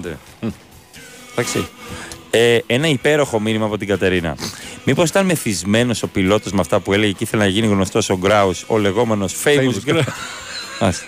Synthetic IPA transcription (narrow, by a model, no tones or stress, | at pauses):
d̪e | t̪ɐksi | ee̞nɐipe̞ɾo̞xo̞minimɐːpo̞t̪iɡɐt̪e̞ɾinɐ̰mipo̞si̥t̪ɐnme̞θizme̞no̞so̞pilo̞t̪o̞zmeɐft̪ɐpue̞le̞ʝeciθe̞lenɐʝiniɣno̞st̪o̞so̞ɡɾɐuso̞̰le̞ɣo̞me̞no̞sfej | ɐ̰s